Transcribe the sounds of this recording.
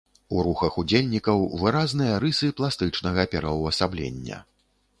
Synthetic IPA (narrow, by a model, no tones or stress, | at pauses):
uɾuxɐxud͡zʲelʲnʲikɐwvɨɾaznɨjɐɾɨsɨplˠast̪ɨt͡ʂnɐɣɐpʲɛɾɐwɐsablʲḛnʲːɐ̰